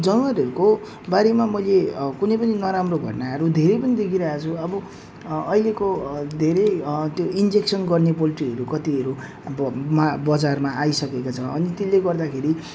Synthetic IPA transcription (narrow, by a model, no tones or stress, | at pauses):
d͡zʌnwaɾɦʌɾuko | baɾemamʌjlekunep̬ʌninʌɾamrobʱʌ̰ʈnaɦʌɾud̪ʱeɾʌjpʌnid̪ekʰiɾʌat͡sʰuʌbʌ | ʌilekod̪ʱeɾejt̪joind͡zeksʌnɡʌrnep̬oliʈiɦʌɾukʌt̪iɦʌɾu | mabʌd͡zarmaʔajsʌkekat͡sʰʌʌnit̪ilːeɡʌrd̪akʰeɾi